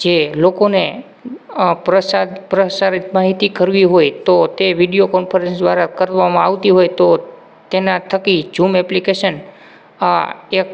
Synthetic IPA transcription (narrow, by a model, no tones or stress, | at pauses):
d͡ʒelokone | pɾəsad̪pɾəsaɾit̪maɦit̪ikəɾʋiɦojt̪ot̪eʋiɖijokɔnfʰəɾẽnsd̪ʋaɾakəɾʋamãaʋt̪iɦojt̪o | t̪enat̪ʰəkid͡ʒumɛplikeʃən | aek